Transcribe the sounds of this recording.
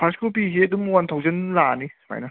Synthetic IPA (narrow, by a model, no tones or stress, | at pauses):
pʰaskɯlpisiedɯmwant̪ʰawzənlanima̰jna